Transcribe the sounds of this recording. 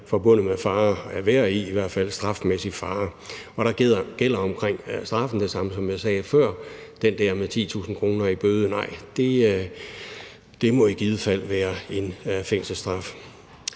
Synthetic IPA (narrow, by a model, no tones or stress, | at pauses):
fɒ̽b̥ɔ̽n̰ð̩ˠmefɑ̈ːæɐʋeɐiːʋæɐ̰d̥fæl̰sd̥ʁɑ̈fmesifɑ̈ːɒ̽ɾ̥ɑ̈ɡ̥ɡ̥el̰ɐɒ̽mkʰʁeŋ̰sd̥ʁɑ̈fn̩d̥e̝sɑ̈məsɒ̽mjɑ̈ɪsɛːfɶɐ̰ | d̥end̥æɐmet͡sʰḭːt͡sʰṵːsn̩kʰʁo̝ːnɐib̥øːðˠənɑ̈ɪ̰d̥e̝ | d̥e̝mɒ̽iɡ̥iːð̞ˠəfæl̰ʋæːɐe̝nfeŋ̰səsd̥ʁɑ̈f